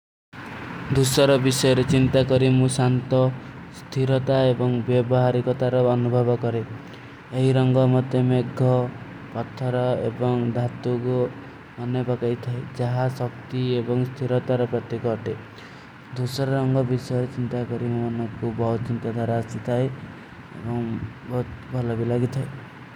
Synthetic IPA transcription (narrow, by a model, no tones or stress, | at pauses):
d̪usɔɾɔbisɔjɔɾet͡ʃint̪akɔɾimũsant̪ɔ | st̪ʰiɾɔt̪aebɔŋbjɔbɔɦaɾikɔt̪aɾɔːnubʱɔbɔkɔɾe | eɦiɾɔŋɡɔmɔt̪emeɡʱːɔ | pɔt̪ʰːɔɾɔḛbɔŋd̪ʱat̪uɡu | ɔnepakait̪ʰaed͡ʒaɦasɔk̚t̪iebɔŋst̪ʰiɾɔt̪aɾɔpɾɔt̪ikɔʈe | d̪usɔɾɔɾɔŋɡɔbisɔjɔɾet͡ʃint̪akɔɾimɔnɔŋkubɔɦut͡ʃint̪ad̪ʱwaɾaːsit̪ʰae | ḛbɔŋbɔɦut̪bʱɔlɔbilaɡit̪ʰae